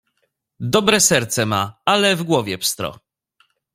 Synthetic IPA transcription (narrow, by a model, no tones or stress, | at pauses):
d̪ɔbɾɛsɛɾt̪sɛmaalɛvɡwɔvʲjɛpst̪ɾɔ̰